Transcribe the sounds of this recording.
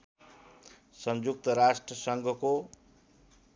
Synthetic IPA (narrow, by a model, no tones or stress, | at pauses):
sʌnd͡zuk̚t̪ʌɾasʈrʌsʌŋɡʱʌko